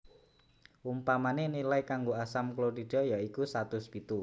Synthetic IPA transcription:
ʔumpamanenilaikaŋɡoasamkloɾiɖ̥ɔ̤jaikusat̪ʊsb̥it̪u

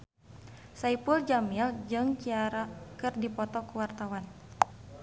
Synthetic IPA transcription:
saipuld͡ʒamild͡ʒɨŋt͡ʃiaɾakɨrdipɔt̪ɔkuwart̪awan

